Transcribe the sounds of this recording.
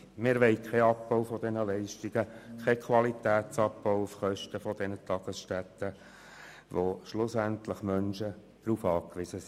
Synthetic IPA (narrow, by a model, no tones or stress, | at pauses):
mɪɾʋɛɪkʰɛɑp̚b̥ɔwfɔd̪ɛnəlɛɪʃtiɡ̥əkʰɛkʰʋɑlit̪æːt̪t͡sɑpːɔʊufχœʃtəfɔd̪ɛnət̪ɑɡ̥əsʃtæt̪ːə | ʋoʃlʊsænt̪ləχmœnʃə | d̥ɾuːfɑːkʋɪzəs